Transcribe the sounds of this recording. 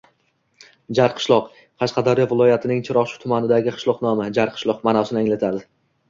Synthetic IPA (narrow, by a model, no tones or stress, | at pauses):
d͡ʒaɾqʰɨ̥ʃlˠɒq | qʰɑʃqɑd̪aɾjɒvɪlˠɒjat̪ʰɪnɪŋt͡ʃʰɪɾɒʃʊ̥t̪ʰʊmanɪd̪aɡʲɪqʰɨ̥ʃlˠɒqnɒmɪd͡ʒaɾqʰɨ̥ʃlˠɒqmanasɪnɪaŋlat̪ʰaɾd̪ɪ